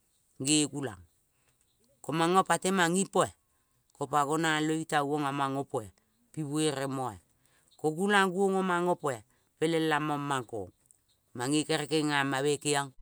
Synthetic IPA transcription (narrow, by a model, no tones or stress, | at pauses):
ŋɡeɡula̰ŋ | komaŋopatemaŋipoe | kopakonaloitawoŋamaŋopoe | piβueɾemoḛ | koɡulaŋɡuoŋomaŋopoe | pelelamomːaŋko̰ŋ | maŋekeɾekeŋamaβekeaŋ